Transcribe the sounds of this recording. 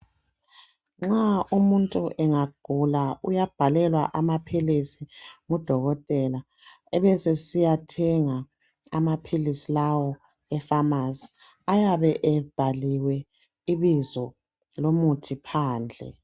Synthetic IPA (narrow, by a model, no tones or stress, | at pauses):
ŋ͡ǁaumuntʼuʔɛŋaɡ̥ʱulaujab̥ʱalɛlwaʔamapʰilisiŋud̥ʱɔɣɔtʼɛla | ɛβɛsesijatʰɛŋa | a̰mapʰilisilawɔ | ɛfamasi̥ | ajaβɛʔɛb̥ʱaliwɛ | iβizɔ | lomutʰipʰaːnd͡ɮʱɛ̰